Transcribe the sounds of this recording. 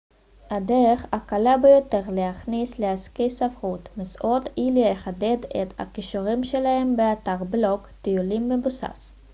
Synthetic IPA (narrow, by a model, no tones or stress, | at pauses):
adeʁeχakalabejo̞te̞ʁlehaχnisleaskejsafχut̪misʔotileeχade̞detha̰kiʃuʁimʃe̞lahe̞mbeataʁblo̞kt̪ijulimːebusa̰s